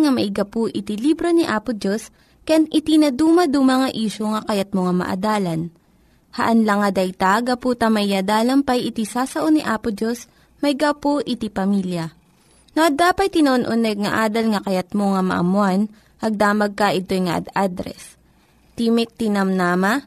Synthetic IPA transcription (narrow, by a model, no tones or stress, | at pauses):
ŋɐmɐʔɪɡɐpoʔɪt̪ilibɾoniʔaːpʊd͡ʒo̞s | kɐjanʔɪt̪inɐd̪uːmɐd̪umɐŋɐʔiːʃoŋɐkɐjɐt̪̚moŋɐmɐ̰ʔɐ̰d̪aːlɐn | hɐʔɐnlɐŋːɐd̪ɐjt̪aɡɐpuːt̪ɐmɐjjad̪aːlɐmpɐjʔɪt̪isaːsɐʔoniʔaːpʊd͡ʒo̞s | mɐɪɡapoʔɪt̪ipɐmiljɐ | noʔɐd̪aːpɐt̪̚t̪ːɪnoʔonʔʊnɛɡ̚ŋɐʔaːd̪ɐlŋɐkɐjɐt̪̚moŋɐmɐ̰ʔɐ̰mwan | ʔɐɡ̚d̪aːmɐɡ̚kɐʔɪt̪o̞jŋɐʔɐ̰d̪ad̪ɾɛ̰s | t̪imɪk̚t̪ɪnɐmnaːmɐ